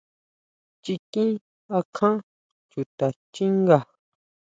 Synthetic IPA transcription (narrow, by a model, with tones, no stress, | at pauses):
t͡ʃi˧kĩ˦ | a˧kʰã˦ | t͡ʃu˨t̪a˨t͡ʃi˦ŋɡa˨